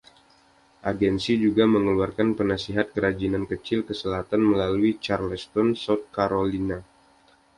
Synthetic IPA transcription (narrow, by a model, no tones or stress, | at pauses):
ʔaɡɛnsid͡ʒuɡaməŋəluarkanpənasiɦat̪̚kəɾad͡ʒinankət͡ʃɪlkəsəlaɦat̪anməlaluit͡ʃarləst̪ɔnsɔt̪̚kaɾolina